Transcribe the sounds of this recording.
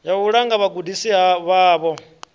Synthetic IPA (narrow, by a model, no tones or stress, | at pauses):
jauɺaŋɡaβaɡudisiɦaβaːβɔ